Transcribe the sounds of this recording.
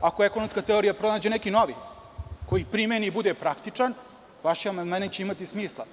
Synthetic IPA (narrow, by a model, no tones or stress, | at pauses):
akoeko̞nomskat̪e̞oɾijapɾo̞naːd͡ʑe̞nekino̞ʋḭ | ko̞jipɾimenibud̪epɾakt̪it͡ʂan | ʋaʃiamand̪mant͡ɕeimat̪ismiːslˠa̰